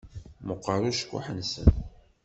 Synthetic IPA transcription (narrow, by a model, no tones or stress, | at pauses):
məqːəɾˤuʃkʷːṵħənsə̰n